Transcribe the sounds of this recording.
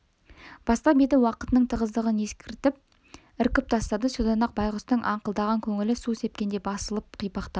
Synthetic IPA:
b̥ɑst̪ɑbed̪ɪwɑqət̪ənəɴt̪ʰəʁəzd̪əʁəne̞skʲɪɾt̪ɪp̚ | ɪɾkʲɪp̚t̪ʰɑst̪ɑd̪əsud̪ɑnɑq̚bɑjʁəst̪əɴʔɑɴqəlˠd̪ɑʁɑŋkʲʰɵŋɪlɪsuse̞p̚kʲend̪ebɑsəlˠəp̚qʰijpɑqt̪ɑ

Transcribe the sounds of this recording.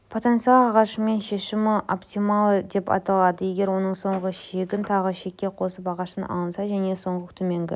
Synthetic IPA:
pʰot̪ent̪siɑlɑʁɑʃəme̞nʃe̞ʃɪmɪʔopt̪ijmɑlˠəd̪e̞pɑ̰t̪ɑlˠɑd̪əje̞ɡʲe̞ɾwo̞nəɴso̞ɴʁəʃe̞ɡʲɪnt̪ʰɑʁəʃe̞kʲːe̞qʰo̞səpɑʁɑʃənɑ̰lˠənsɑʒæne̞so̞ɴʁət̪ʰɵme̞ŋɡʲɪ̰

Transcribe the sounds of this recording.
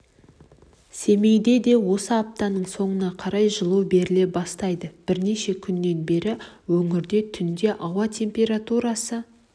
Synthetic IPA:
se̞me̞jd̪e̞d̪e̞wo̞səɑp̚t̪ɑnəɴso̞ɴənɑqʰɑɾɑjʒəlˠuwbe̞ɾɪle̞bɑst̪ɑjd̪əb̥ɪɾne̞ʃe̞kʲʰʏnːe̞nbe̞ɾɪwɵŋɪɾd̪e̞t̪ʰʏnd̪e̞ʔɑwɑt̪ʲʰe̞mpʲe̞ɾat̪uɾɑsə

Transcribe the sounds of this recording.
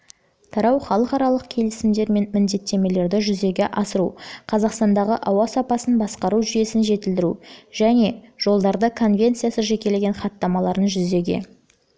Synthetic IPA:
t̪ʰɑɾɑwχɑlˠəqɑɾɑlˠəqkʲʰe̞lɪsɪmd̪e̞ɾme̞nmɪnd̪e̞t̪ːe̞me̞le̞ɾd̪ɪʒʏze̞ɡʲe̞ʔɑsəɾṵqʰɑzɑqst̪ɑnd̪ɑʁəʔɑwɑsɑpɑsənbɑsqɑɾuʒʏje̞sɪnʒe̞t̪ɪld̪ɪɾṵʒ̥æne̞ʒ̥o̞lˠd̪ɑɾd̪əkʰo̞nvʲe̞nt̪sɨjasəʒe̞kʲe̞le̞ɡʲenχɑt̪ːɑmɑlˠɑɾənʒʏze̞ɡʲḛ

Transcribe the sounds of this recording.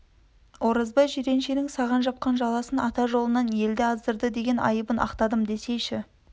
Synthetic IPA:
woɾəzbɑjʒʏɾe̞nʃenɪŋsɑʁɑnʒɑp̚qɑnʒɑlˠɑsənɑt̪ɑʒo̞lˠənɑnje̞ld̪ɪɑzd̪əɾd̪əd̪e̞ɡʲe̞nʔɑ̰jəbənʔɑ̰qt̪ɑd̪əmd̪e̞sejʃɪ

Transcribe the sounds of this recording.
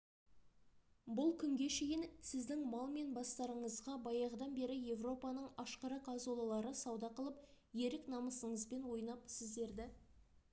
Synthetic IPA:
bʊlˠkʲʰʏŋɡʲe̞ʃe̞jɪnsɪzd̪ɪŋmɑlˠme̞nbɑst̪ɑɾəɴəzʁɑbɑjɑʁd̪ɑnbe̞ɾɪje̞vro̞pɑnəɴɑʃqɑɾɑqʰɑzolˠɑlˠɑɾəsɑwd̪ɑqəlˠəp | je̞ɾɪknɑməsəɴəzbe̞nwo̞jnɑpsɪzd̪e̞ɾd̪ɪ

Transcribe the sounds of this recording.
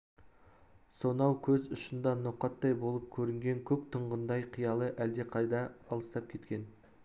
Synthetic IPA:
so̞nɑwkʲʰɵzʊʃənd̪ɑnoqɑt̪ːɑjbolˠəp̚kʲʰɵɾɪŋɡʲe̞ŋkʲʰɵp̚t̪ʰəɴʁənd̪ɑjqʰijɑlˠəʔæld̪e̞qʰɑjd̪ɑːlˠəst̪ɑp̚kʲʰe̞t̪kʲe̞n

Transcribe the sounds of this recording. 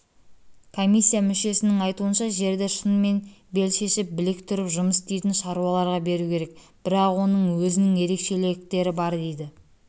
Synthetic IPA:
kʰo̞mʲisʲːijamʏʃe̞sɪnɪŋɑjt̪uənʃɑʒe̞ɾd̪eʃənme̞nbe̞lʃe̞ʃɪp̚bɪlɪkt̪ʰʊɾɪpʒʊməst̪ejt̪ɪnʃɑɾuwɑlˠɑɾʁɑbe̞ɾukʲʰe̞ɾe̞k̚ | b̥ɪɾɑqwo̞nəɴwɵzɪnɪŋje̞ɾe̞kʃe̞lek̚t̪e̞ɾɪbɑɾd̪e̞jd̪ɪ

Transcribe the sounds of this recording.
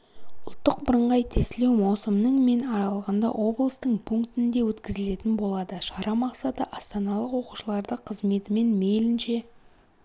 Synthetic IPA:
ʊlˠt̪ːəq̚bəɾəɴʁɑjt̪ʰesle̞wmɑwsəmnəɴme̞nɑɾɑlˠʁɑnd̪ɑ̰ʔo̞blˠəst̪əɴpʰuŋkt̪ɪnd̪e̞wɵt̪kʲɪzɪle̞t̪ɪnbo̞lˠɑd̪əʃɑɾɑmɑqsɑt̪əʔɑst̪ɑnɑlˠəqwo̞qu̥ʃəlˠɑɾd̪əqʰəzme̞t̪ɪme̞nme̞jlɪnʃe̞

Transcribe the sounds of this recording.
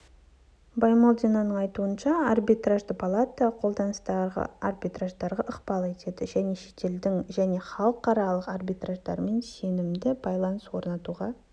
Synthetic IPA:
bɑjmolˠd̪ʲinanəɴɑjt̪uənʃɑarbijt̪raʒd̪əpʰalˠat̪ːəqʰo̞lˠd̪ɑnəst̪ɑʁə̰arbijt̪raʒd̪ɑɾʁɑʔəqpɑlˠe̞t̪e̞d̪ɪʒæne̞ʃe̞t̪e̞ld̪ɪŋʒæne̞χɑlˠəqːɑɾɑlˠəqarbijt̪raʒd̪ɑ̰ɾme̞nse̞nɪmd̪ɪbɑjlˠɑnəswo̞ɾnɑt̪uʁɑ

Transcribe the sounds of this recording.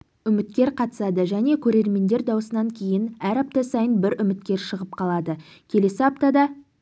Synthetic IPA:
ʏmɪt̪kʲe̞ɾqʰɑt̪ə̥sɑd̪əʒæne̞kʲʰɵɾe̞ɾme̞nd̪e̞ɾd̪ɑwəsənɑŋkʲʰe̞jɪnæɾɑp̚t̪ɑsɑjənbɪɾʏmɪt̪̚kʲe̞ɾʃəʁəpqʰɑlˠɑd̪ə | kʲʰe̞le̞sɪɑp̚t̪ɑd̪ɑ

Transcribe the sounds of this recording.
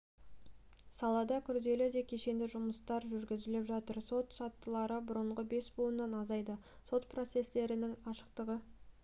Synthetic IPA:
sɑlˠɑd̪ɑkʲʰʏɾd̪e̞lɪd̪e̞kʲʰe̞ʃe̞nd̪ɪʒʊməst̪ɑɾʒʏɾɡʲɪzɪlɪpʒɑt̪əɾso̞t̪sɑt̪ːəlˠɑɾəbʊɾəɴʁəbe̞sbuənːɑnɑzɑjd̪ə | so̞t̪pʰro̞t̪se̞st̪e̞ɾɪnɪŋɑʃə̥qt̪əʁə

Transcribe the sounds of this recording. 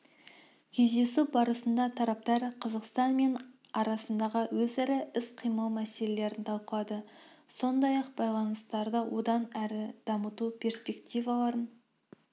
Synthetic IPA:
kʲʰe̞zd̪e̞subɑɾəsənd̪ɑt̪ʰɑɾɑp̚t̪ɑɾqʰəzəqst̪ɑnme̞n | ɑɾɑsənd̪ɑʁəwɵzæɾɪɪsqʰijməlˠmæse̞le̞le̞ɾɪnt̪ʰɑlˠqəlˠɑd̪ə | so̞nd̪ɑjɑqbɑjlˠɑnəst̪ɑɾd̪əwʔo̞d̪ɑnæɾɪd̪̥ɑmət̪upʰʲe̞ɾspe̞kt̪ijvɑlˠɑɾən

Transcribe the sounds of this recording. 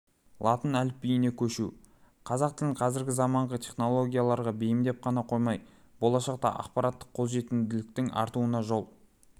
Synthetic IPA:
lˠɑt̪ənælɪp̚ːijɪne̞kʲʰɵʃṵ | qʰɑzɑq̚t̪ɪlɪɴqʰɑzɪɾɡʲɪzɑmɑɴʁət̪ʲʰe̞χno̞lˠo̞ɡʲijalˠɑɾʁɑbejɪmd̪e̞p̚qʰɑnɑqʰo̞jmɑj | b̥o̞lˠɑʃɑq̚t̪ɑ̰ʔɑ̰qpɑɾɑt̪ːə̥qʰːo̞zʒe̞t̪ɪnd̪ɪlɪk̚t̪ɪŋʔɑ̰ɾt̪uənɑʒo̞lˠ

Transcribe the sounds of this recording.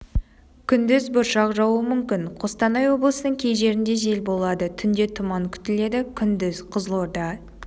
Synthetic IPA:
kʲʰʏnd̪ɪzbʊɾʃɑqʒɑwəmʏmkʲɪnqʰost̪ɑnɑjwo̞blˠəsənəɴkʲʰe̞jʒe̞ɾɪnd̪e̞ʒe̞lbo̞lˠɑd̪ət̪ʰʏnd̪e̞t̪ʰʊmɑŋkʲʰʏ̥t̪ɪle̞d̪ɪkʲʰʏnd̪ɪzqʰəzlˠoɾd̪ɑ

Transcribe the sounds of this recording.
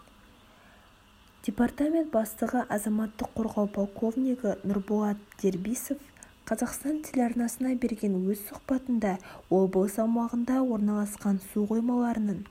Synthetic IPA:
d̥ʲe̞part̪amʲe̞nt̪̚bɑst̪əʁəʔɑzɑmɑt̪ːəqʰːo̞ɾʁɑwpʰolˠko̞vnʲijkənʊɾbolˠɑt̪̚d̪̥e̞ɾbijso̞f | qʰɑzɑqst̪ɑnt̪ʰɪlʲɑrnɑsənɑbe̞ɾɡʲe̞nwɵzsʊqpɑt̪ənd̪ɑwolˠbəlˠəsɑwmɑʁənd̪ɑwo̞ɾnɑlˠɑsqɑnsuqʰo̞jmɑlˠɑɾənəɴ

